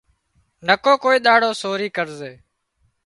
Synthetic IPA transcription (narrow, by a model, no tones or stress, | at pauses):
nəkoːkoːiːɗ̪aːɽoːsoːɾiːkəɾzeː